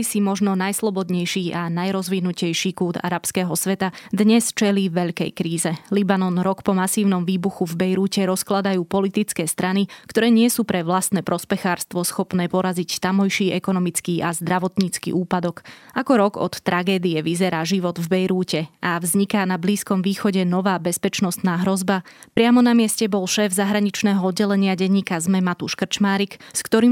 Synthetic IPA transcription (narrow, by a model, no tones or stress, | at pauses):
isimɔʒnɔnajslˠɔbɔd̪ɲɛjʃiːʔanajɾɔzʋinucɛjʃiːkuːd̪a̰ɾapskɛːɦɔsʋɛt̪ad̪ɲɛst͡ʃɛliːʋɛʎkɛ̰jkɾiːzɛlibanɔnɾɔkpɔmasiːʊnɔmʋiːbuxuvbɛjɾuːcɛɾɔsklad̪ajuːpɔlit̪it͡skɛːst̪ɾanikt̪ɔɾɛːɲɪɛsuːpɾɛʋlast̪nɛːpɾʔɔspɛxaːɾst̪ʋɔsxɔpnɛːpɔɾazict̪amɔjʃiːɛkɔnɔmit͡skiːʔazd̪ɾaʋɔt̪ɲiːt͡skḭʔuːpad̪ɔkʔakɔɾɔɡɔ̰t̪ːɾʔaɡɛːd̪iɛʋizɛɾaːʒiʋɔd̪vbɛjɾuːcɛʔavzɲikanabliːskɔmʋiːxɔɟɛnɔʋaːbɛspɛt͡ʃnɔst̪naːɦɾɔzbapɾɪamɔnamɪɛscɛbɔlʃɛːvzaɦɾaɲit͡ʃnɛːɦɔɔd̪ɟɛlɛɲɪaɟɛɲːiːkazmɛmat̪uʃkr̩t͡ʃmaːɾikskt̪ɔɾiː